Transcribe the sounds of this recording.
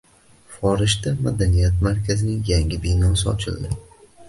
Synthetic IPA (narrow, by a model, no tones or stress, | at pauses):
fɒɾɪʃt̪ama̰d̪anijat̪maɾkʲʰazɪnɪŋjaŋʲɪbenɒsɪɒ̰t͡ʃʰɪ̰ld̪ɪ